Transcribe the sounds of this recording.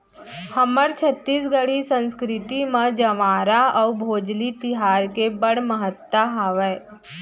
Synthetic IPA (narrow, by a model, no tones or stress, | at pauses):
həməɾt͡ʃʰət̪ːiːsɡəɽisə̃nskɾɪt̪imãd͡ʒɐʋaːɾaɔbʱoːd͡ʒlit̪ɪɦaːɾkebəɽməɦət̪ːaɦaːʋɛː